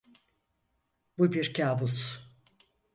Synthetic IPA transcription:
bubiɾcʰaːbus

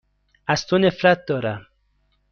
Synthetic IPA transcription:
ast̪onefɾat̪̚d̪ɔɾa

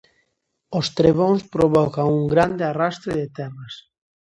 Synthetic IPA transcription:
ost̪ɾeβ̞oŋspɾoβɔkaŋuŋɡɾand̪earast̪ɾeðet̪ɛras

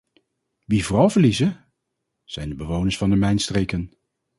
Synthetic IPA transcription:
ʋivoːrɑlˠvəɹlizə | z̥ɛjndəbəʋownəsfɑndəmɛjnstreːjkən

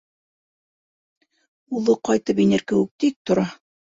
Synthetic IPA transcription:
uðˠɤqɑjt̪ɤpinɘɾkɘ̆wɘk̚t̪ik̚t̪ŏɾɑ

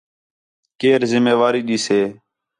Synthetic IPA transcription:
keːɾzɪmeːʋaːɾiːɗiːseː

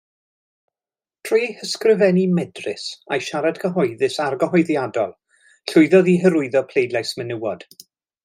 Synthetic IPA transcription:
tʰr̥iːhəskrɪvɛnimɛdrɪ̰sa̰jʃaɾad̥kʰəɦɔjðɪsarɡəɦɔɨðjadɔlˠ | ɬʊɨðɔðiɦəɾʊɨðɔpʰl̥ejdlajsmənəwɔd̥

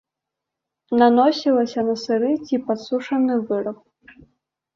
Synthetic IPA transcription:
nanɔsʲilˠɐsʲɐnɐsɨɾɨt͡sʲipat̪suʂɐnɨvɨɾɐp̚

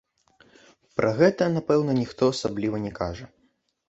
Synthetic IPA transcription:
pɾʔɐɣɛt̪ɐnapɛwnɐnʲixt̪ɔasablʲivɐnʲɛkaʐɐ

